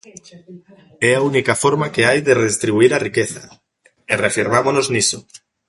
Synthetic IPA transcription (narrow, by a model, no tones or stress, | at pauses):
ɛaunikafoɾmakeajðereðest̪ɾiβuiɾarikeθa̰ | ereafiɾmamonoznisʊ